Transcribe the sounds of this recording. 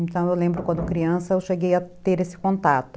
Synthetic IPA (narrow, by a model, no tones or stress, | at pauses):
ẽnt̪ɐ̃w̃ewlẽmbɾʊkwɐ̃nd̪ʊkɾiɐ̃sɐewʃeɡejɐt̪eɾesɪ̥kõnt̪at̪ʊ̥